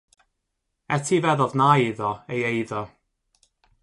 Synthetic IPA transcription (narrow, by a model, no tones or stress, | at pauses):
ɛtʰivɛðɔðnajɪðɔejejðɔ